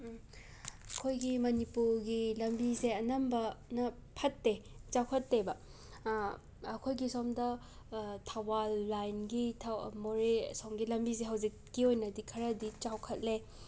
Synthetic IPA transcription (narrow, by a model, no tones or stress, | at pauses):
ɐkʰojɡimɐnipuɾɡilɐmbizeɐnɐmbɐnɐpʰɐtːet͡ʃawkʰɐtːebɐ | kʰojɡisomdɐ | tʰawalːajnɡitʰamoɾesomɡilɐmbizeɦɐwzikːiojnɐdikʰɐɾɐdit͡ʃawkʰɐt̚le